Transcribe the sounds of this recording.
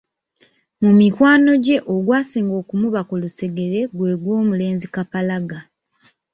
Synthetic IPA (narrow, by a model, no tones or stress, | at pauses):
mumikwaːno̞ɟe̞ʔoɡwaːsiːŋɡo̞ːkumuβako̞luse̞ɡe̞ɾe̞ɡwe̞ːɡwo̞ːmule̞ːnzikapalaɡa